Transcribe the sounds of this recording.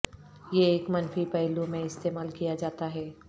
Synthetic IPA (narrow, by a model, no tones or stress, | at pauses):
jeːkmɐnfipɛɦlumẽɪst̪eːmaːlkijad͡ʒaːt̪aɦɛː